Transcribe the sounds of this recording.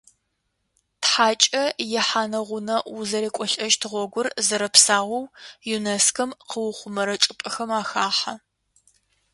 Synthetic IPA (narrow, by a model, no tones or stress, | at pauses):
tħaːt͡ʃʼɐjɪħaːnɐʁʷʊnɐwʊzɐɾeːkʷʼɔɬʼɐʒtʰɨʁʷɔɡʷʊrzɐɾɐpsaːʁʷɔwjuneskʰɐmqəwʊχʷʊmɐɾɐt͡ʃʼɪpʼɐxɐmaːxaːħɐ